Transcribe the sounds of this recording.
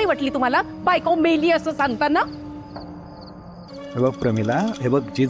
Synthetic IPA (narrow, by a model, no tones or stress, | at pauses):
iʋəʈliːt̪um̤alabajkomeliːəsəːsãŋɡ̚t̪anːa | ɦebəɡ̚pɾəmilaɦebəɡ̚d͡ʑi